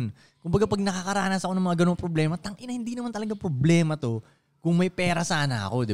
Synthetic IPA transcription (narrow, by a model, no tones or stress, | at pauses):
n | kʊmbɐɡapɐɡ̚nɐkakɐɾaːnɐsɐko̞nɐŋmɐŋaɡɐnoŋpɾoblɛːmɐt̪ɐŋʔɪnɐhɪnd̪inɐmant̪ɐlɐɡapɾoblɛːmɐt̪o̞ | kʊŋmɐjpɛːɾɐsaːnɐ̰ʔɐ̰ko̞d̪ɪ